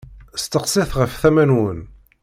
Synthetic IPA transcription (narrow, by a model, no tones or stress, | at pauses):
st̪əqsˤɪθʁəfθæmænwən